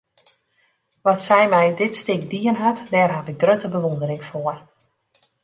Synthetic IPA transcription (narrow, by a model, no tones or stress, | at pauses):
ʋɔtsɛjmɛjdɪtstɪkdiənɦatdɛrɦatɪk̚ɡrøtəbəʋondəɾɪŋfoər